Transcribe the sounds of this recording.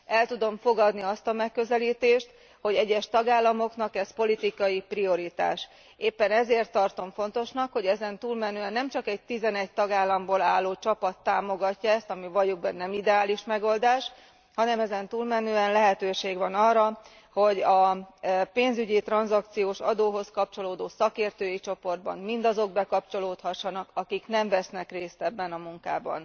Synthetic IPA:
ɛlt̪ud̪o̞ɱfo̞ɡɒd̪niɒst̪ɒmɛkːø̞zɛliːt̪eːʃt̪ | ho̞ɟɛɟːɛʃt̪ɒɡaːlːɒmo̞kn̪ɒkɛspo̞lit̪ikɒjiprio̞ɾit̪a̰ːʃ | eːpːɛnɛzeːrt̪ːɒrt̪o̞ɱfo̞nt̪o̞ʃnɒkho̞ɟɛzɛnt̪uːlmɛnøːɛnːɛmt͡ʃɒkɛc̚t̪izɛnɛc̚t̪ɒɡaːlːɒmboːlaːlːoːt͡ʃɒpɒt̪ːaːmo̞ɡɒcːɒɛst̪ɒmivɒjoɡ̚bɛnɛmid̪ɛaːliʃmɛɡo̞ld̪aːʃ | hɒnɛmɛzɛnt̪ulmɛnøːɛnlɛɦɛt̪øːʃeːɡʋɒnɒːrːɒ | ho̞ɟɒ | peːnzyɟit̪rɒnzɒk̚t̪sijoːʃɒd̪oːɦo̞skɒp̚t͡ʃo̞loːd̪oːsɒkeːrt̪øːjit͡ʃo̞po̞rd̪̚bɒ̰nmind̪ɒzo̞ɡ̚bɛkɒp̚t͡ʃo̞loːt̪hɒʃːɒnɒkɒkiknɛɱvɛsnɛkreːst̪ɛbːɛnɒmuŋka̰ːbɒ̰n

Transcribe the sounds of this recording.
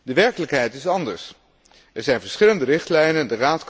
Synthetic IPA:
dəʋɛɹkələkɦɛjtɪsɑndə̰ɹs | ɛɹzɛjnvəɹsχɪləndərɪχtlɛjnəndəraːtk

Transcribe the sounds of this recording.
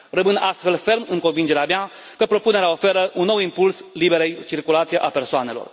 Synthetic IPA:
rəmɨnast̪fe̞lfe̞rmɨŋko̞nvind͡ʒe̞ɾeamea | kəpɾo̞pune̞ɾeao̞fe̞ɾəʔunːo̞wimpulslibe̞ɾejt͡ʃirkulat̪sijeʔape̞rsoane̞lo̞̰r

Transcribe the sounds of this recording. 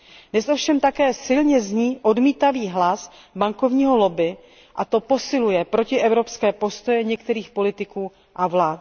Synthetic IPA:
nɛsofʃɛmt̪akɛːsɪlɲɛzɲiːʔo̞dmiːt̪aviːɦlas | baŋko̞vɲiːɦo̞lo̞bɪ | ʔat̪o̞po̞sɪlujɛpɾo̞cɪʔɛvɾo̞pskɛːpo̞st̪o̞jɛɲɛkt̪ɛɾiːxpo̞lɪt̪ɪkuː | ʔavlaːt̪

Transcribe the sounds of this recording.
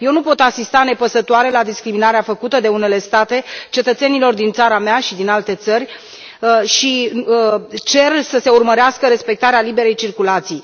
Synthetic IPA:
je̞wnupo̞t̪asist̪ane̞pəsət̪oaɾe̞lad̪iskɾiminaɾeafəkut̪əd̪e̞une̞le̞st̪at̪e̞t͡ʃe̞t̪ət̪se̞nilo̞rd̪int̪saɾameaʃid̪inalt̪e̞t̪sərʲ | ʃi | t͡ʃe̞rsəse̞urməɾeaskəɾe̞spe̞k̚t̪aɾealibe̞ɾe̞jt͡ʃirkulat̪sij

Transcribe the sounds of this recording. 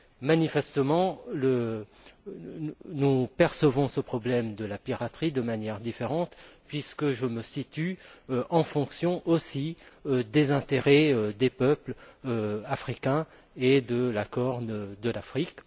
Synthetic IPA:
manifɛst̪əmɑ̃lə | nupɛʁsəvɔ̃səpχɔblɛmd̪əlapiʁat̪χid̪əmanjɛʁd̪ifeʁɑ̃t̪pɥiskəʒəməsit̪yøʔɑ̃fɔ̃ksjɔ̃ʔosiød̪ezɛ̃t̪eʁɛød̪epœpløafχikʲɛ̃ | ed̪əlakɔʁnd̪əlafχik

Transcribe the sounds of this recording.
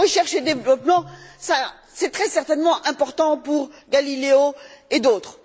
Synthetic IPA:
əʃɛʁʃed̪evlɔpmɑ̃sa | sɛt̪χɛsɛʁt̪ɛnmɑ̃ʔɛ̃pɔʁt̪ɑ̃puʁɡalileoed̪oːt̪χ

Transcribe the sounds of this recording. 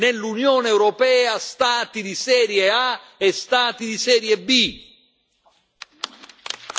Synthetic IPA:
nelːunjoːneɛwɾɔpɛːast̪aːt̪id̪isɛːɾjeaɛst̪aːt̪id̪isɛːɾjebːi

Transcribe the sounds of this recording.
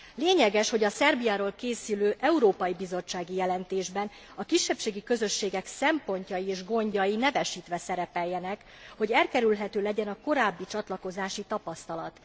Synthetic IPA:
leːɲɛɡɛʃho̞ɟɒsɛrbijaːɾoːlkeːsyløːʔɛuɾoːpɒjibizo̞t͡ʃːaːɡijɛlɛnt̪eːʒbɛn | ɒkiʃːɛpʃeːɡikø̞zø̞ʃːeːɡɛksɛmpo̞ɲcɒjieːʒɡo̞ɲɟɒjinɛvɛʃit̪ʋɛsɛɾɛpɛjːɛnɛk | ho̞ɟɛlkɛɾylɦɛt̪øːlɛɟɛnɒko̞ɾaːbːit͡ʃɒt̪lɒko̞zaːʃit̪ɒpɒst̪ɒlɒt̪

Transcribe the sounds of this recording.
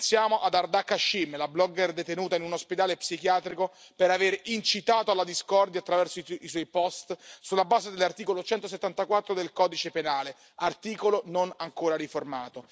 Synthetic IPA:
sjaːmoʔad̪ard̪akːaʃːimlablɔɡɛrd̪et̪enuːt̪ainunosped̪aːlepsik̟jaːt̪ɾiko | peɾaveɾint͡ʃit̪aːt̪oalːad̪iskɔrd̪jat̪ːɾavɛrsoiswɔjpɔst̪sulːabaːzed̪elːart̪iːkolot͡ʃɛnt̪os̬et̪ːant̪akwat̪ːɾod̪elkɔːd̪it͡ʃepenaːle | art̪iːkolononaŋkoːɾaɾiformaːt̪o

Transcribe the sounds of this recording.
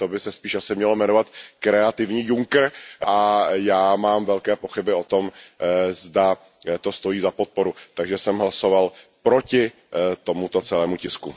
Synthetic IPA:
t̪obɪsɛspiːʃʔasɪmɲɛlo̞mɛno̞vat̪kɾɛat̪ɪvɲiːjuŋkr̩ʔajaːmaːmvɛlkɛːpo̞xɪbɪo̞t̪o̞mzda | t̪o̞st̪o̞jiːzapo̞t̪̚po̞ɾut̪aɡʒɛsɛmɦlaso̞valpɾo̞cɪ | t̪o̞mut̪o̞t͡sɛlɛːmucɪsku

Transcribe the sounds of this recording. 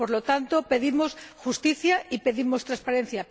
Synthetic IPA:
po̞ɾlo̞t̪ant̪o̞pe̞ðimo̞sxust̪iθjaipe̞ðimo̞st̪ɾaspaɾe̞n̟θja

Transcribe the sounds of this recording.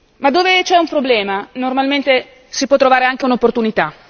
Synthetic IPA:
mad̪ːoːvet͡ʃɛumpɾoblɛːmanormalment̪e | sipwɔt̪ːɾovaːɾeaŋk̟eunopːort̪unit̪a

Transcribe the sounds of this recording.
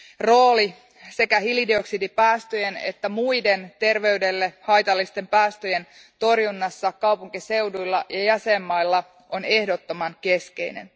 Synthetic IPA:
ro̞ːli | se̞kæhilidio̞ksidipæːst̪øjene̞̰t̪ːæmujde̞nt̪e̞rʋe̞yde̞lːehɑjt̪ɑlːist̪e̞mpæːst̪øje̞n | t̪o̞rjunːɑsːɑkɑwpuŋkise̞wdujlːɑjɑjæsemːɑjlːɑ | o̞ne̞hdot̪ːo̞mɑŋke̞ske̞̰jnḛn

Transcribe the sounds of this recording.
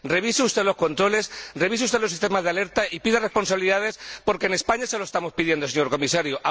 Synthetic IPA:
re̞βiseust̪e̞ðlo̞sko̞nt̪ɾo̞le̞sre̞βiseust̪e̞lo̞sist̪emazðeale̞ɾt̪aʔipiðare̞spo̞nsaβiliðað̞e̞spo̞ɾke̞ne̞spaɲaseloest̪amo̞spiðje̞nd̪os̬eɲo̞ɾko̞misaɾjoʔa

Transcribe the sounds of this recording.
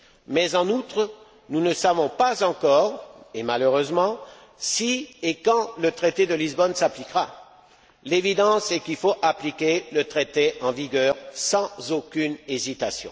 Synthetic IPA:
mɛzɑ̃nut̪χ | nunəsavɔ̃pazɑ̃kɔʁemaløʁøzmɑ̃ | siekɑ̃lət̪χet̪ed̪əlizbɔnsaplikʁa | levid̪ɑ̃sɛkilfoʔaplikʲelət̪χet̪eɑ̃viɡœʁsɑ̃zokʲynezit̪asjɔ̰̃

